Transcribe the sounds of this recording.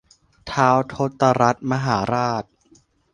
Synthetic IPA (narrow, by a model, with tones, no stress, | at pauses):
t̪ʰaː˦˥wt̪ʰo˦˥t̪ːa˧ɾa˦˥t̪̚ma˧ɦaː˩˦ɾaː˥˩t̪̚